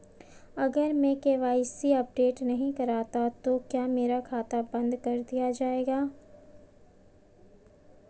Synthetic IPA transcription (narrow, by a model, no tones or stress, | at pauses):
ɐɡəɾmẽkeʋaːɪsiɐp̚ɖeːʈnɐɦĩkɐɾaːt̪at̪okjaːmeːɾakʰaːt̪abɐ̃nd̪kɐɾd̪ijad͡ʒaːeːɡaː